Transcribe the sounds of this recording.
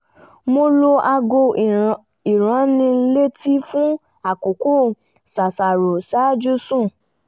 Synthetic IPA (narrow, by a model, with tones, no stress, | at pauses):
mo˧lo˧ʔa˧ɡo˧ | i˨ɾ̃ã˨˦nĩ˧˦le˦ti˦fũ˦ | a˦˨ko˨ko˦ | sa˨sa˨ɾo˨sa˨˦d͡ʒu˦sũ˦˨